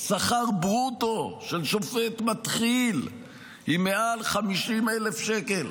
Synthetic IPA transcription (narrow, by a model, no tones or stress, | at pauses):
saχaʁbʁutoʃelʃo̞fet̪mat̪χil | imealχamiʃimele̞fʃekel